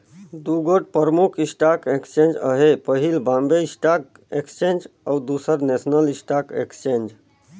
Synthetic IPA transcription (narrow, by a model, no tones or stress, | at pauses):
d̪uɡoʈ̚pəɾəmukʰisʈakekst͡ʃẽnd͡ʒə̰ɦepəɦilbãmbeisʈak̚ | ekst͡ʃẽnd͡ʒawd̪usəɾnesnəlisʈakḛkst͡ʃẽnd͡ʒ